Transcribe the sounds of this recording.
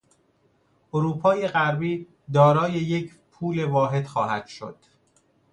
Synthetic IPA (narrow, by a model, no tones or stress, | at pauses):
ʔoɾuːpʰɒːje̞ɣæɾbiː | d̪ɒːɾɒːje̞je̞cʰ | pʰuːle̞vɒːɦe̞d̪̥xɒːhæd̪̥ʃo̰d̪̥